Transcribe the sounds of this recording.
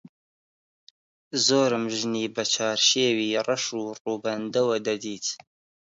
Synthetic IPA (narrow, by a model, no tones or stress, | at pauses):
zoːɾɨmʒɨniːbɐt͡ʃʰɑːɾʃeːwiːɐrɐʃuːruːbɐnd̪ɐwɐd̪ɐd̪iːt̪ʰ